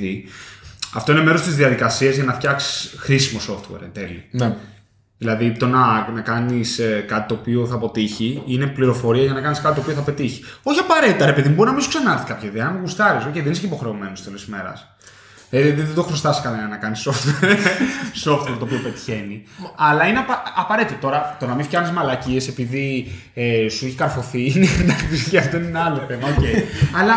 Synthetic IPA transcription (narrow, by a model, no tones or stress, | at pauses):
i | ɐft̪o̞inemeɾo̞st̪izðiɐðikɐsiɐzʝɐnɐft̪çɐksi̥sxɾisimo̞so̞ft̪wḛɾent̪elin | ðilɐðit̪onɐnɐkɐniskɐt̪it̪o̞ːpio̞θɐpo̞t̪içiine̞pliɾofo̞ɾiɐʝɐnɐkɐniskɐt̪it̪opioθɐpe̞t̪içi̥o̞çiɐpɐɾe̞t̪it̪ɐɾe̞peðimubo̞ɾinɐmisu̥ksenɐɾθi̥kɐpçɐiðeenɐmeɣust̪ɐɾiso̞cejðenisecipo̞xɾe̞ome̞nost̪elesme̞ɾɐ̰s | ðɐðiðɐðiðed̪o̞xɾost̪ɐsi̥skɐlɐɐnɐkɐniso̞ft̪weɾso̞ft̪weɾt̪opiope̞t̪i̥çe̞niɐlɐineɐpɐɐpɐɾet̪it̪ot̪o̞ɾɐt̪o̞nɐmifçɐxnizmɐlɐcie̞se̞piði | esueçi̥kɐɾfo̞θiinend̪ɐkisʝɐft̪oineneɐlo̞θe̞mɐoce̞iɐlɐ